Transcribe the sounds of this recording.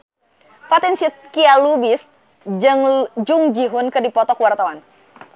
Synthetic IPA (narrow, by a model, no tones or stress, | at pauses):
pat̪ɛnsikialubis | ɨŋd͡ʒuŋd͡ʒiɦʊnkədipɔt̪ɔkwart̪awan